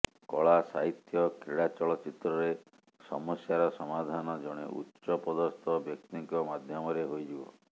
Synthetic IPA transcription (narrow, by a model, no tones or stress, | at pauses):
kɔɭasaɦit̪jɔkɾeɽat͡ʃɔɭɔt͡ʃit̪ɾɔɾe | sɔ̰mɔsjaɾɔsɔmad̪ʱanɔd͡ʒɔɽ̃ḛʔṵtːʃɔpɔd̪ɔst̪ʰɔbjɔk̚t̪iŋkɔmad̪ʱjɔmɔɾeɦojd͡ʒibɔ